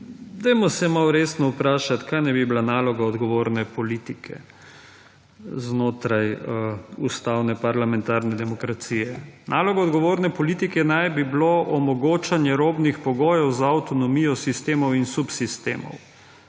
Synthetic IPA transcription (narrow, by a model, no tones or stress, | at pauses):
d̪ajmɔsɛmawɾesnɔupɾaːʃat̪kajnajbiblanaːlɔɡaɔd̪ɡɔʋoːɾnɛpɔlit̪ikʰɛ̰ | znoːt̪ɾaj | ust̪awnɛpaɾlamɛnt̪aːɾnɛd̪ɛmɔkɾat̪siːjɛnʔaːlɔɡaɔd̪ɡɔʋoːɾnɛpɔlit̪ikɛnajbibloʔɔmɔɡoːt͡ʃanjɛɾoːbnixpɔɡoːjɛwzaːwt̪ɔnɔmiːjɔsist̪eːmɔwinsupsist̪ḛːmɔ̰w